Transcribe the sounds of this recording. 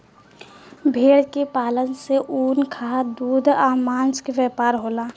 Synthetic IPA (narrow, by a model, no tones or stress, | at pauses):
bʱeːɽkepaːlənseʔuːnkʰad̪uːd̪ʱaːmãːnt͡ʃkeʋɛːpaːɾɦoːlaː